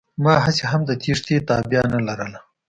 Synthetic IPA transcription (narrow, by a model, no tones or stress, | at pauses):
mɑːɦaseɦamd̪ət̪iʂt̪et̪ɑːbjanalaɾəla